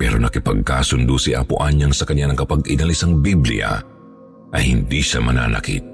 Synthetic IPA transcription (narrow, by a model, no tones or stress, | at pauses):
pɛːɾo̞nɐkɪpɐɡ̚kaːsʊnd̪usiʔa̰pʊʔaɲːɐŋsɐkɐɲanɐŋkɐpɐɡɪnɐlisɐŋbiblɪ̰ja̰ | ʔɐjhɪnd̪iʃamɐna̰ːnɐ̰kḭt̪̚